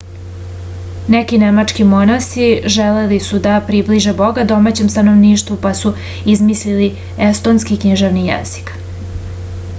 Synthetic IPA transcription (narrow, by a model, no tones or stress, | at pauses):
nekinemat͡ʂkimo̞nast̪iʒelelisud̪apɾibliʒebo̞ɡad̪o̞mat͡ɕe̞mst̪ano̞ʋniːʃt̪vupasu | izmislili | est̪o̞nskikɲiʒeʋnijḛzi̥k